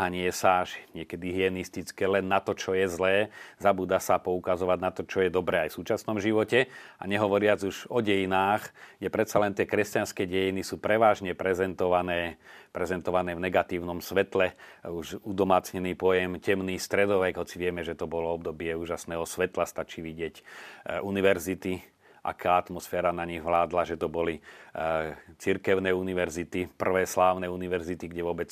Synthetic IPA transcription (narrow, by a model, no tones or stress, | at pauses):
aɲɪɛsaːʃɲɪɛkɛd̪iɦiɛnist̪it͡skɛːlɛnːat̪ɔt͡ʃɔjɛzlɛːzabuːd̪asapɔukazɔʋaɟnat̪ɔt͡ʃɔjɛd̪ɔbɾɛːajfsuːt͡ʃasnɔmʒiʋɔcɛa̰ɲɛɦɔʋɔɾɪad͡zuʒɔɟɛjinaːxjɛpɾɛt̪t͡salɛnt̪ɪɛkɾɛscanskɛːɟɛjinisuːpɾɛʋaːʒɲɛpɾɛzɛnt̪ɔʋanɛːpɾɛzɛnt̪ɔʋanɛːvnɛɡat̪iːʊnɔmsʋɛt̪lɛuʒud̪ɔmaːt͡sɲɛniːpɔjɛmcɛmniːst̪ɾɛd̪ɔʋɛɡɦɔt͡siʋɪɛmɛʒɛt̪ɔbɔlɔɔb̚d̪ɔbɪɛuːʒasnɛːɦɔsʋɛt̪last̪at͡ʃiːʋiɟɪɛcuniʋɛɾzit̪i | ʔa̰kʰaːat̪mɔsfɛːɾanaɲiɣʋlaːd̪laʒɛt̪ɔbɔli | t͡siɾkɛʊnɛːuniʋɛɾzit̪ipr̩ʋɛːslaːʊnɛuniʋɛɾzit̪iɡɟɛʋʊɔbɛt͡s